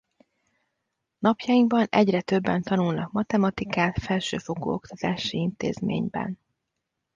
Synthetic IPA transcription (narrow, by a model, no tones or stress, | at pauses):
nɒpjɒjiŋɡbɒnɛɟrɛt̪ø̞bːɛnt̪ɒnulnɒkmɒt̪ɛmɒt̪ikaːt̪fɛlʃøːfo̞ɡo̰ːo̞kt̪ɒt̪aːʃiint̪eːzmḛːɲbɛ̰n